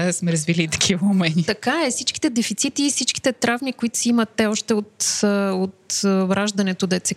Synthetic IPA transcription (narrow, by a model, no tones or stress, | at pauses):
smɛɾəzvilit̪ɐ̥kʰivɐʊmɛnʲit̪ɐkaɛsit͡ʃki̥t̪ɛd̪ɛfit̪sit̪iːsit͡ʃki̥t̪ɛt̪ɾavmikoit̪ʊ̥siimət̪ːɛɔʃt̪ɛot̪ot̪vɾaʒd̪ɐnɛt̪od̪ɐɛt̪sɛ